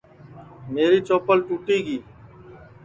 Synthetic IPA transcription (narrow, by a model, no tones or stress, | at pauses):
meːɾiːt͡ʃoːpəlʈuːʈiːɡiː